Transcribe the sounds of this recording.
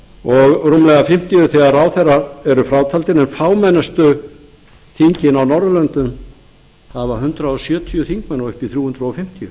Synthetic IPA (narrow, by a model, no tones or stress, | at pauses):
ɔɣrumlɛɣafɪm̥t̪ijʏθɛɣaɾaːwθɛraɛɾʏfɾaːwt̪ʰalt̪ɪnɛnfaːwmɛnɛst̪ʏ | θiɲcɪnawnɔɾðʏlœnt̪ʏm | havaɦʏnt̪ɾaɔsjœːt̪ʰiʏθiŋk̚mɛnːaʏhpiθɾjuːhʏnt̪ɾaɔfɪm̥t̪ijʏ